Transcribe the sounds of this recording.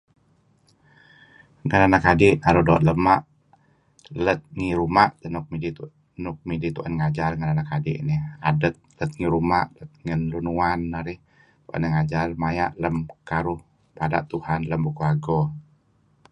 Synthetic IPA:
ŋənanakadiʔnaɾudoʔ̪̚ləmaʔ | lət̪̚ŋiɾumaʔt̪ənuk̚midi | nʊk̚midit̪uʔanŋad͡ʒalŋənanakadḭʔnɪhadət̪̚lət̪̚ŋiɾumaʔlət̪̚ŋənlunuanːaɾɪh | t̪uʔa̰nəŋad͡ʒalmaja̰ʔləmkaɾʊh | pada̰ʔt̪uhanləmbukuaɡɔ

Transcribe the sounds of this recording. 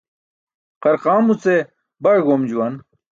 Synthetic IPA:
qɐɾqaːmut͡se | bɐɽɡoːmd͡ʑuwɐn

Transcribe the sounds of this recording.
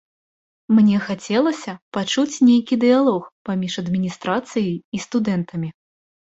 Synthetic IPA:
mnʲɛxat͡sʲɛlˠɐsʲɐpat͡ʂut͡sʲnʲejkʲid̪ɨjalˠɔxpamʲiʂɐd̪mʲinʲist̪ɾat̪sɨjɐjist̪ud̪ɛnt̪ɐmʲi

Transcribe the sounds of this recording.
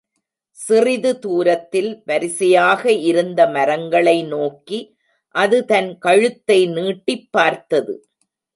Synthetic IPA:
sɪrɪðɯt̪uːɾɐt̪ːɪlʋɐɾɪsɐjaːɣɐɪɾɯnd̪ɐmɐɾɐŋɡɐɭɐɪnoːki | ʔɐðɯt̪ɐnkɐɻɯt̪ːɐɪniːʈːɪpːaːɾt̪ɐðɯ

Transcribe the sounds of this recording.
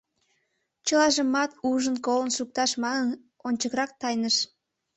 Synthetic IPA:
t͡ɕəlɑʒəmɑt̪uʒənkolənʃuk̚t̪ɑʃmɑnən | onʲt͡ɕəkɾɑk̚t̪ɑjnəʃ

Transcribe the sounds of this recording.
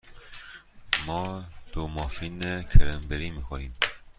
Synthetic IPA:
mɔːd̪̥omɑːfinekʰɛɾɛmbeɾimixɔːɾiːm

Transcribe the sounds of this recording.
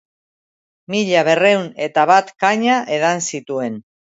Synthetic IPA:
miʎaβ̞e̞re̞wne̞t̪aβat̪kaɲaʔe̞ðansit̪ue̞n

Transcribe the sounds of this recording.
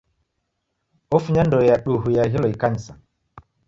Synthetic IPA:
ɔfuɲandɔjaɗuɦujaɦilɔikaɲsa

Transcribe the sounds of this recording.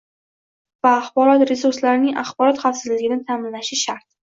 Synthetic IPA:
vaːχbɒɾɒt̪ɾesuɾslaɾɪnɪŋʔa̰χbɒɾɒt̪χafsɪzlɪɡʲɪnɪt̪ʰamɪnlaʃɪʃaɾt̪̚

